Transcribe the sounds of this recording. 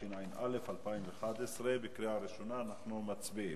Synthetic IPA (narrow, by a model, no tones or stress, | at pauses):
inajinʔa̰lefalpaimveχad̪esʁebekɾiaɾiʃonaːnaχnumat͡sbi